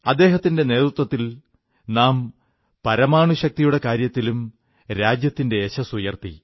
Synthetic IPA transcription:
ɐd̪ːe̞ːɦɐt̪ːinde̞ne̞ːt̪ɾut̪wɐt̪ːil | naːm | pɐɾɐmaːɳuɕɐk̚t̪ijuɽe̞kaːɾjɐt̪ːilum | ɾaːd͡ʑjɐt̪ːinde̞ːɕɐsujɐrt̪ḭ

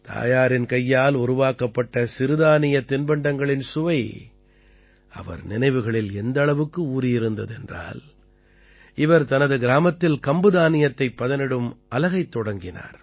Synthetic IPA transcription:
t̪a̰ːjaːɾɪnkɐjːaːlʊɾʊʋaːkɐpːɐʈːɐsɪɾɯðaːnɪjɐt̪ɪnbɐɳɖɐŋɡɐɭɪnsʊʋɐɪ | ɐ̰ʋɐ̰ɾnɪnɐɪʋɯɣɐɭɪlɛnd̪ɐɭɐʋɯkːɯuːɾɪjɪɾɯnd̪ɐðɛndra̰ːl | ɪʋɐɾt̪ɐnɐðɯɡɪɾaːmɐt̪ːɪlkɐmbɯðaːnɪjɐt̪ːɐɪpːɐðɐnɪɽɯmɐlɐɣɐɪt̪ːɔɽɐŋɡɪna̰ːɾ

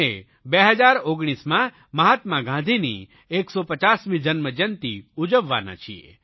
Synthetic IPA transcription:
e | beɦəd͡ʒaɾoɡɽ̃ismã | məɦat̪mãɡãnd̪ʱinḭ | eksopət͡ʃasmĩd͡ʒənməd͡ʒənt̪iud͡ʒəʋːa̰na̰t͡ʃʰiḛ

